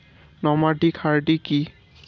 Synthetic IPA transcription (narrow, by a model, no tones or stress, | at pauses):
nɔmadikʰaɹdiki